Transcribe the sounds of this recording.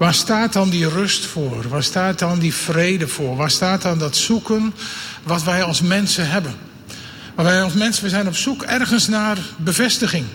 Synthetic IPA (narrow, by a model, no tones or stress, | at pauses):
ʋaːɹstaːtɑndirɵstfʊːrʋaːɹstaːt̚dɑndifrejdəv̥ʊːrʋaːɹstaːtdɑndɔtsukənʋɑtʋɛjɑlˠsmɛnsənɦɛbən | ʋʋɛjɑlˠsmɛnsəʋɛjzɛjnɔpsukɛrɣənsnaːrbəvɛstəχɪŋ